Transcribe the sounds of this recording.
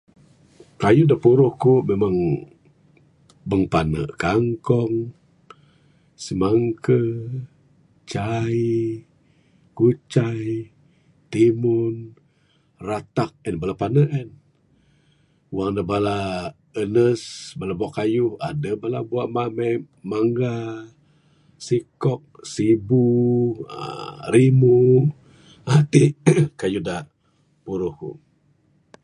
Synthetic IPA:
kajuhdapuɾʊhkuʔmemaŋ | bəŋpanə̰ʔkaŋkɔŋ | simaŋkə | t͡ʃai | kut͡ʃaj | t̪imun | rat̪ak̚ɛnbalapanəʔɛn | waŋdabala | ənəsbalabuaʔkajuha̰dəbalabuaʔmamɛj | maŋɡa | sikɔk̚sibṵ | ɾimu | ʔat̪ikajuda | puɾuhṵ

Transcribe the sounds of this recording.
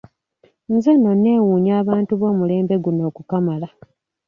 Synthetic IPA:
nzeno̞nːe̞wuːɲaːβaːntuβo̞ːmule̞ːmbe̞ɡuno̞ːkukamala

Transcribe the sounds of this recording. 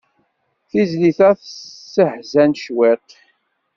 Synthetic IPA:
θizliθæθsəhzænʃwet̪

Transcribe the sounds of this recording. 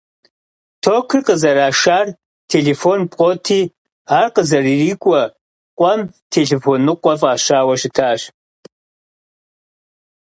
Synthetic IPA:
tʰoːkʰɨrqʼəzɐɾaːʂaːr | tʰeɮefoːnpʼqʼotʰiː | aːrqəzɐririːkʷʼɔ | qʷʼɐm | tʰeɮefoːnːɨqʷɔfʼaːɕaːwɐʃɪtʰaʔɕ

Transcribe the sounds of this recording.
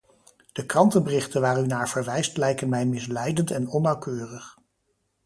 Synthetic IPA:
d̥əkrɑntənbərɪχtənʋaːɹynaːɹv̥əɹʋɛjstlɛjkənmɛjmɪslɛjdəntɛnɔnːɑwkøːrəχ

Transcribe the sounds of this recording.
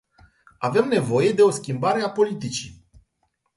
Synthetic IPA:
ave̞mne̞vo̞je̞d̪e̞o̞skʲimbaɾe̞apo̞lit̪it͡ʃi

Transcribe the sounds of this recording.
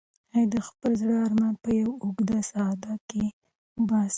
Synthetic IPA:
hajd̪əxpəlzɽəaɾmand̪̚pəjawʊɡd̪asaɑd̪ake | bɑs

